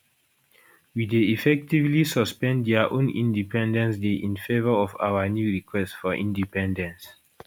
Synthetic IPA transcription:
wideifɛk̚tivlisɔspɛ̃ndɛaʔõnḭ̃ndipʰɛ̃ndɛ̃nsdeʔĩnfevəɔfa̰wənjuɹikʰwɛstfɔʔḭ̃ndipɛ̃ndɛ̃ns

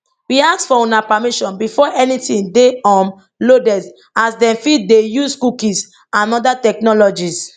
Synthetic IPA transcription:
wiaksfɔũnapamiʃɔ̃nbifɔʔɛnitĩndeɔ̃m | lodɛs | asdɛ̃mfidejuskukĩs | ãnɔdatɛk̚nɔlɔd͡ʒis

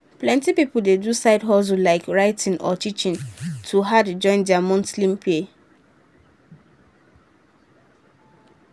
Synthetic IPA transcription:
plɛ̃ntipipʊl̩dedusaɪdɦɔs̬ulaɪkɹaɪtʰĩnʔɔ̰tit͡ʃĩntʰuɦadd͡ʒɔ̃ɪ̃ndɛamɔ̃nslĩmpʰie

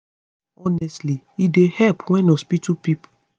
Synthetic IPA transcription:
ɔnɛstli | idehɛlpwɛ̃nospitupip

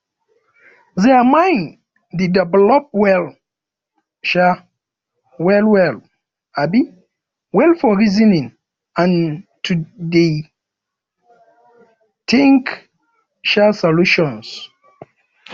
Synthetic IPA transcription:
zɛamãjn | didɛvɛlɔp̚wɛl | ʃa | wɛlwɛl | abi | wɛlfɔɹizinĩŋ | ãntʰude | tʰẽŋk | ʃasɔluʃɔ̃ns

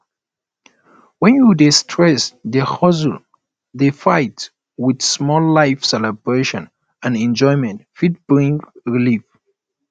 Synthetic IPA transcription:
wɛ̃njudistʰɹɛsdəhɔzu | defajt | widsmɔlːajfsɛləbɹeʃɔ̃n | ãnɛ̃nd͡ʒɔjmɛ̃ntfit̚b̥ɹĩŋɹilif

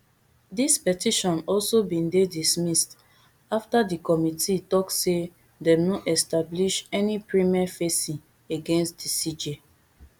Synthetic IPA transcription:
dispɛtiʃɔ̃nɔlsobĩndedismist | aftadikɔmitʰitɔkse | dɛ̃mnɔʔɛstabliʃɛnipɹimiafesĩn | eɡẽnstdisid͡ʒe

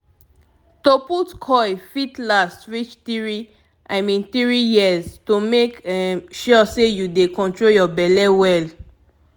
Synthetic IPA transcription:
toputkʰɔjfitlastwit͡ʃtiɹi | ʔaɪmĩnθɹijiəztomekʃɔsejudekɔ̃ntɹoljɔbɛlɛwɛl

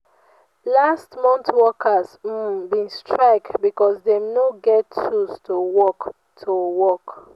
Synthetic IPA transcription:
lastmɔ̃ntwɔkʰəzbĩnstʰɹaɪk̚tbikɔsdemnoɡɛtustʰowɔk | tʰuwɔk

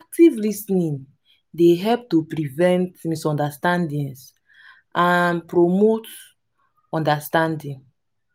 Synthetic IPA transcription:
ak̚tivlisnĩn | deɦɛlp̚tupɹivɛ̃ntmisɔ̃ndastãndĩns | ʔanpɾomot | ɔ̃ndastãndĩn

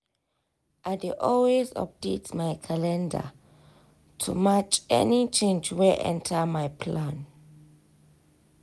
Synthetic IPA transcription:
ʔadeʔɔlwezɔ̰p̚detʰmajkʰalɛ̃nda̰ | tʰumat͡ʃɛ̰nit͡ʃʰẽnd͡ʒwɛʔɛ̰̃ntʰamajpʰlãn

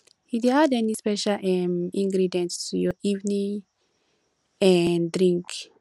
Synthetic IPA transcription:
hid̪ead̪ɛnispɛʃalɛmĩŋɡɾidɛ̃ntujɔivnĩŋ | ɛ̃nd̪ɾĩŋk

